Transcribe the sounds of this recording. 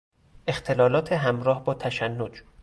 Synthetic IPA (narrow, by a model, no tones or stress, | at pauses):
ʔe̞xt̪ʰe̞lɒːlɒːt̪ʰeɦæmɾɒːhbɒːt̪ʰæʃænːod͡ʒ